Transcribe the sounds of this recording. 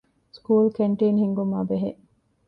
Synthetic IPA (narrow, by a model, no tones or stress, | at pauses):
skuːlkeɳʈeːnhiŋɡumaːbeɦeʔ